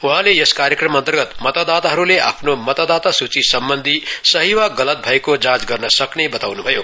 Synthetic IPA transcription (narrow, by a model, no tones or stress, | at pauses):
uɦãlejʌskaɾjekrʌmʌnt̪ʌrɡʌt̪mʌt̪ad̪at̪aɦʌɾulea̰pʰnomʌt̪ad̪at̪asut͡sisʌmbʌnd̪ʱisʌɦiwaɡʌlʌt̪̚bʱʌekod͡zãd͡zɡʌrnʌsʌknebʌt̪awnubʱʌjo